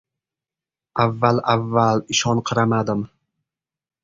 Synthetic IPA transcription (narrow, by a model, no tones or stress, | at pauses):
avːalavːalɪʃɒnqʰɨɾamad̪ɪm